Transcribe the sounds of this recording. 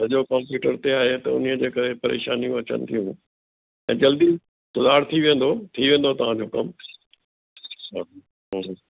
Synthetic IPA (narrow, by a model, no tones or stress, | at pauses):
sɐʄokãːmpjuːʈəɾt̪eaːɦet̪ɐʊ̰nijəd͡ʑeːkɐɾepɐɾḛːʃaːnijũɐt͡ɕə̰nɪ̆t̪ʰijũ | ɛ̰̃ːd͡ʑɐld̪i | sʊlaːɽt̪ʰiʋẽːnd̪ot̪ʰiʋẽːnd̪ot̪ɐʋ̤ãd͡ʑoːkɐm | ɦ